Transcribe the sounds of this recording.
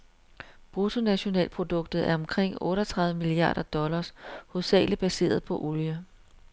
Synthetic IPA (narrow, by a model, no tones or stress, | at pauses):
b̥ʁut͡sʰo̝næɕo̝nɛ̰ːlpʰʁo̝d̥ɔ̽ɡ̥̚d̥ð̩ˠæɐɒ̽mkʰʁeŋ̰ɔ̽ːɾɐt͡sʰʁɑ̈ðˠʋəmiliɑ̰̈ːɾ̥ɐd̥ɒ̽lɐshoðˠsɛ̰ːləb̥æse̝̰ːɐð̩ˠpʰɒ̽ʔoljə